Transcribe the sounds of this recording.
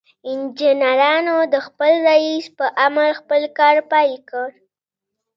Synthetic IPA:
ɪnd͡ʒɪnaɾɑnod̪əxpəlɾaispəʔamaɾxpəlkɑɾpɑjekəɾ

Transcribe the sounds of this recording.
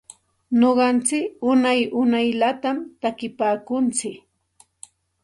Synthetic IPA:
noɢɑnt͡sɪkʊnajʊnajlat̪amt̪akɪpaːkʊnt͡sɪk

